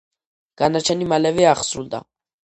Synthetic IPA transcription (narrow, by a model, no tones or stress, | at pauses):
ɡ̥anat͡ʃʰɛnimalɛvɛaχsɾuld̪a̰